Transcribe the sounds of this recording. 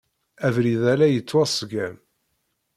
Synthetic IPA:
ævɾiðælæjət͡sːwæsˤɡæm

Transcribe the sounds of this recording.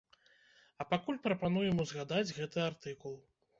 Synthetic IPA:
ɐpakulʲpɾɐpan̪ujɛmuzɣad̪ad͡zʲɣɛt̪ɨart̪ɨkulˠ

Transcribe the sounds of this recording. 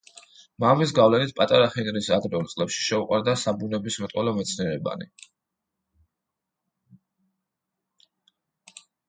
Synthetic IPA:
mamis̬ɡavlɛnit̪̚ʰpʼat̪ʼaɾaχinɾisad̪ɾɛult̪sʼlɛpʃi̥ʃɛuqʼwaɾd̪asabunɛbismɛt̪ʼwɔlɔmɛt̪sʰniɛɾɛba̰nḭ

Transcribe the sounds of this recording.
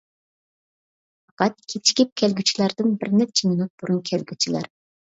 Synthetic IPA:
fɑqɑt̪̚kʲʰet̪ʰi̥kʲip̚kʲʰɛlɡʲyt͡ʃʰilˠɑɾd̪ɨnbɪɾnɛt̪̚t͡ʃʰiminut̪̚b̥uɾunkʲʰɛlɡʲyt͡ʃʰilˠɑ̰ɾ

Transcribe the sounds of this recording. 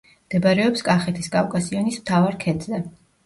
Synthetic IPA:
md̪̥ɛbaɾɛɔpskʼaχɛt̪ʰiskʼakʼasiɔnismt̪ʰavaɾkʰɛd̪zɛ

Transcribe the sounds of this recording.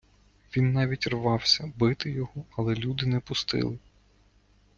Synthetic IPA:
ʋʲinːɑʋʲitʲrʋɑwsʲɐbɪt̪ɪjɔhɔɐlˠɛlʲud̪ɪnɛpʊst̪ɪ̰lˠɪ

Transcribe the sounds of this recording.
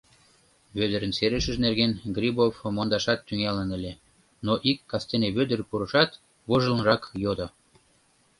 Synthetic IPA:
βød̪əɾənseɾəʃə̆ʒnerɣenɡrʲibofmond̪ɑʃɑt̪ːyŋelənə̆lʲe | noʔikːɑst̪eneβød̪ərpuɾəʃɑt̪ | βoʒə̆lnrɑkjod̪o

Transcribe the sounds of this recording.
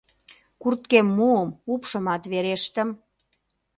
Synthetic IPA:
kurt̪̚kemːuəmupʃə̆mɑt̪βeɾeʃt̪ə̆m

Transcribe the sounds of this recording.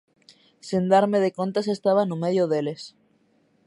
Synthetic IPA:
sind̪aɾmeð̞ekont̪ase̞st̪aβanomeð̞joðele̞s

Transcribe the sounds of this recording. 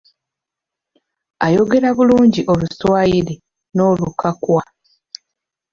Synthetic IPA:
ajo̞ɡe̞ɾaβuluːɲɟiʔo̞luswaːjiɾe | no̞ːlukʰakwa

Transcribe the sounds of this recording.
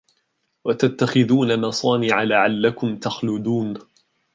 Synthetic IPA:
wat̪at̪ːaxɪðuːnamɑsˤɑːnɪʕalaʕalːakʊmt̪axlʊd̪uːn

